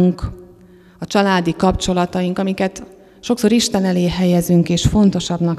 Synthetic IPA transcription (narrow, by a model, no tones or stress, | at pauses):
ŋk | ɒt͡ʃɒlaːd̪ikɒpt͡ʃo̞lɒt̪ɒjiŋkɒmikɛt̪ | ʃo̞kso̞ːɾiʃt̪ɛnɛleːɦɛjɛzyŋkeːʃfo̞nt̪o̞ʃɒbnɒk